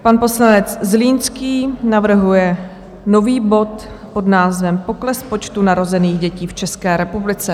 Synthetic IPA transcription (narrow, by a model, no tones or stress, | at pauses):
panpo̞slanɛt͡szliːnskiːnavr̩ɦujɛ | no̞viːbo̞t̪ | po̞dnaːzvɛmpo̞klɛspo̞t͡ʃt̪unaɾo̞zɛniːɣɟɛciːft͡ʃɛskɛːɾɛpublɪt͡sɛ